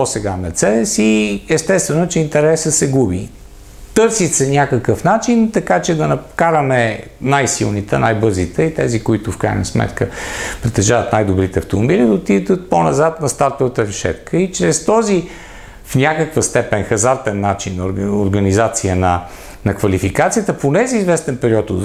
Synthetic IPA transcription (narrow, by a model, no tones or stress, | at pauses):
posɛɡamɛɾt̪sɛd̪ɛsiɛst̪ɛst̪vɛnot͡ʃɛint̪ɛɾɛsəsɛɡubḭ | t̪ɤɾsit̪sɛnʲakəkəfnat͡ʃint̪ɐkat͡ʃɛd̪ɐnɐkaɾəmɛ | najsilˠnit̪ɛnajbɤɾzit̪ɛit̪ɛzikoit̪ʊfkɾa̰jnəsmɛ̰t̪kəpɾɛt̪ɐʒavət̪najd̪obɾit̪ɛɐft̪omobilid̪əot̪id̪ət̪̚ponɐzat̪nɐst̪aɾt̪ovət̪əɾɛʃɛ̰t̪kʰəit͡ʃɾɛst̪ɔzi | fnʲakəkvəst̪ɛpɛnxɐzaɾt̪ɛnːat͡ʃinːoɾɡənizat̪siənɐ | nɐkvɐlifikat̪sijət̪əponɛziːzvɛst̪ɛnpɛɾiɔt̪od̪